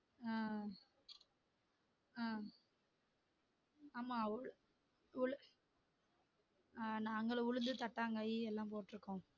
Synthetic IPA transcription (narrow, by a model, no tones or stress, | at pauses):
aː | aː | aːmaːɭ | ʊɭɯ | anaːŋɡɐɭʊɻʊnd̪ɯt̪ɐʈːaːŋɡɐeɛlːãːp̬oːʈːɾɯkːʊ̃